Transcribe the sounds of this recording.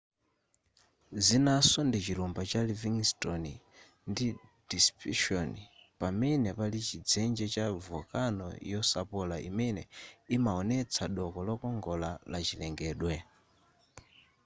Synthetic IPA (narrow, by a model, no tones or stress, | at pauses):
zinasɔndit͡ʃiɾumbat͡ʃaliviŋstɔni | ndid̥ispiʃɔnipamɛnɛpalit͡ʃid͡zɛnd͡ʒɛt͡ʃavɔkanɔ̰jɔsapɔlaḭmɛnɛimaɔnɛt͡sʰaɗɔkɔlɔkɔŋɡɔlalat͡ʃilɛŋɡɛːɗwɛ